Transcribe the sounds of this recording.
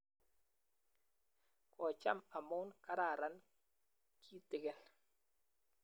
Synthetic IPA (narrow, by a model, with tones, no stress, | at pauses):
kʰɔ˨t͡ʃa̰˦˨mpa˨mo˦nka˦ɾa˦˨ɾa˨˦n | kʰi˦tɪ˨ɡɛ˦˨l